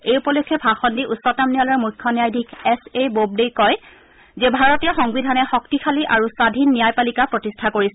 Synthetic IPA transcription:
ejupɔlokʰːɛpʰaxɔndiʔusɔtamnijalɔɹmujkʰːɔnijajdʱikɛsebob̚dejkɔj | zebʱaɹɔtijaxɔŋbidʱanɛxɔktixʰaliʔaɹusadʱinːijajpalikapɹɔtistʰakoɹisɛ

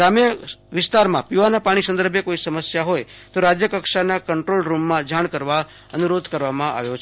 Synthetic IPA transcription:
ɾamjəʋɪst̪aɾmãpjuʋanapaɽ̃isə̃nd̪əɾbʱjekoisəməsjaɦoj | t̪oɾad͡ʒjəkəkʃanakəɳʈɾolɾumːãd͡ʒaɽ̃kəɾʋa | ənuɾod̪ʱkəɾʋamãʔa̰ʋjot͡ʃʰ

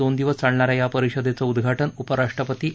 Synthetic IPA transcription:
ond̪iʋəst͡saɽɳaɾajapəɾiɕəd̪ʱet͡səud̪ɡʱaʈənupəɾaʂʈɾəpət̪iː

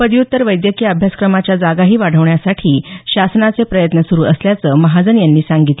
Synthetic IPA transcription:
pəd̪ijut̪ːəɾʋəjd̪jəkiːəbʱjaskɾəmat͡ɕjad͡zaɡaɦiːʋaɽ̤ʱəʋɳjasaʈʰiːɕasnat͡sepɾəjət̪nəsuɾuːʔəsljat͡səːməɦad͡zənjanːiːsaŋɡit̪le

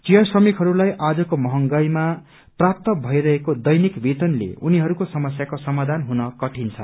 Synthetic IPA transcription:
t͡sijʌsrʌmikɦʌɾulajʔad͡zʌkomʌɦʌŋɡʌjma | prap̚t̪ʌbʱʌiɾʌɦekod̪ʌjnikbʱit̪ʌnlḛuniɦʌɾukosʌmʌsjakosʌmad̪ʱanɦunʌkʌʈʰint͡sʰʌ

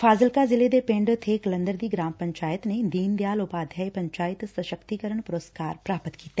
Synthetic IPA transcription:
fʰaːzəlkazɪled̪epẽːɳɖt̪ʰeklə̃nd̪əɾd̪iɡɾaːmpɐ̃ɲt͡ʃaːjət̪ned̪iːnd̪jaːlʊpaːd̪ʱjajpɐ̃ɲt͡ʃaːɪt̪sɐʃəkt̪ikəɾəɳ̃pʊɾəskaːɾpɾaːpət̪kiːt̪e

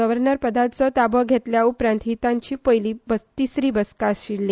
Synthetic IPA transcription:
əʋəɾnəɾpəd̪at̪̚t͡sɔt̪abəɡʱet̪ljaupɾãnt̪ɦit̪ãɲt͡ɕiːpəjliːbət̪isɾiːbəskaɕiɽːe

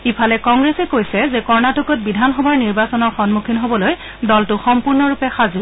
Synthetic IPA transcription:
ipʰalɛkɔŋɡɹɛsɛkojsɛzɛkɔɹnatukɔt̚bidʱanxɔbaɹniɹbasɔnɔɹxɔnmukʰinɦobɔloj | dɔltʊxɔmpuɹnɔɹupɛxazu

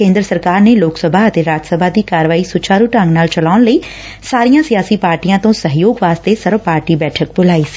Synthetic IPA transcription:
kẽːnd̪ɾəsəɾkaːɾneːloːksəbʱaːət̪eːɾaːd͡ʒsəbʱaːd̪iːkaːɾʋaːiːsʊt͡ʃaːɾuːʈə̃ŋɡnaːlt͡ʃəlaːʊnləiː | saːɾijãːsɪjaːsiːpaːɾʈijãːt̪õːsəɦjoːɡʋaːst̪eːsəɾʋpaːɾʈiːbɛːʈʰək̚bʊlaːiːsi̥ː

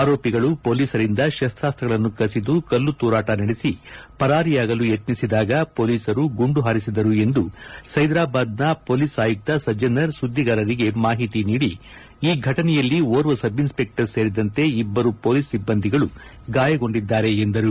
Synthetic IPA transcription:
aːɾo̞ːpiɡɐɭupo̞ːliːsɐɾind̪ɐʃɐst̪ɾaːst̪ɐɡɐɭɐnːukɐsid̪ukɐlːut̪uːɾaːʈɐnɐɽesipɐɾaːɾijaːɡɐlujet̪nisid̪aːɡɐpo̞ːliːsɐɾuɡuɳɖuɦaːɾisid̪ɐɾue̞nd̪usɐjd̪ɾaːbaːd̪nɐpo̞ːliːsaːjuk̚t̪ɐsɐd͡ʒɐnɐɾsud̪ʱːiɡɐːɾɐɾiɡe̞maːɦit̪iniːɽi | iːɡʱɐʈɐnɛjɐlːioːɾʋɐsɐbinspe̞k̚ʈɐɾseːɾid̪ɐnt̪e̞ibːɐɾupo̞ːliːsːibːɐnd̪ʱiɡɐɭu | ɡaːjɐɡo̞ɳɖid̪ːaːɾe̞ːnd̪ɐɾu

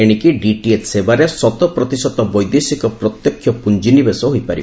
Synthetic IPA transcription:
eɽ̃ikiɖiʈietʰsebaɾesɔt̪ɔpɾɔt̪isɔt̪ɔbɔjd̪esikɔpɾɔt̪jɔkʰːjɔpund͡ʒinibesɔɦojpaɾi

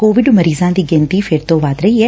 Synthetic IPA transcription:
koːʋɪɖməɾiːzãnt̪iːɡẽnt̪iːfʰeːɾt̪oʋaːd̪ɾɐɦie

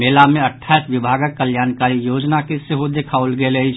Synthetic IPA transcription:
meːlamẽɐʈʰːaːisʋɪbʱaːɡəkkːəljaːnkaːɾijoːd͡ʒnakɪseɦod̪ekʰaolɡelei

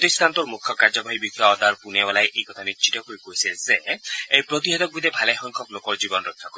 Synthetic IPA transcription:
pt̪ist̪ʰant̪uɾmukʰːɔkaɾd͡ʒɔbʱaɦibikʰːaɔd̪aɾpunebɔlajʔejkɔt̪ʰaniʃʰitɔkoikoisezeejpɾɔt̪iɦɔt̪ɔk̚bid̪ebʱalexɔŋkʰɔklokɔɾd͡ʒibɔnɾɔkʰːakɔɾ

